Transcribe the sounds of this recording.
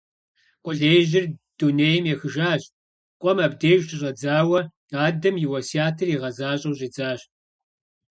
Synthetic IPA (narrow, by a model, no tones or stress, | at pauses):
qʷʼʊɮeːjʑɪrd̥uneːjɛmjɛxɨʒaːɕʼ | qʷʼɔmabdeːʒtʰʼɪɕʼɐd͡zaːwɐ | aːdɐmjiwɐsiaːtʰɨriːʁɐzaːɕʼɐwɕʼiːd͡zaːɕʼ